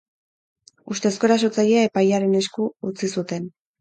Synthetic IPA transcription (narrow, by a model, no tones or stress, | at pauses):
ust̪e̞sko̞ɾaso̞t͡saʎeae̞pajaɾe̞ne̞skuut͡sisut̪e̞n